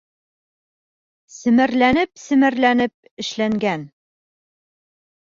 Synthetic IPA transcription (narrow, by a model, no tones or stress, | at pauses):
sɘ̆mɘ̆ɾlænɘpsɘ̆mɘ̆ɾlænɘp̚ | ɘ̆ʃlæŋɡæn